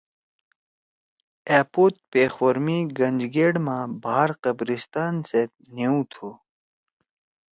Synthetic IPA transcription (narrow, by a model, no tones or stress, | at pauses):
eːpoːt̪̚peːxwɐɾmiɡɐnd͡ʑɡeːɽmãbaːɦaɾqɐbɾist̪aːnse | niũt̪ʰu